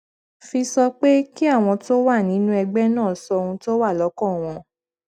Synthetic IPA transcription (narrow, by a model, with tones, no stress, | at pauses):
fi˧sɔ˧k͡pe˦ki˦a˦˨w̃ɔ̃˧to˦wa˦˨nĩ˨˦nũ˦ɛ˧ɡ͡bɛ˦nãː˦˨sɔ˧o˧ũ˧to˦wa˦˨lɔ˨˦kɔ̃˦˨w̃ɔ̃˧